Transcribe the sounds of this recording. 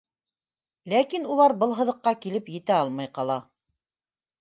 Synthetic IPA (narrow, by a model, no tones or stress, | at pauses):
lækinulˠɑɾbɤlˠɦɤ̆ðɤ̆qːɑkilɘpjɘ̆t̪æɑlˠmɑjqɑlˠɑ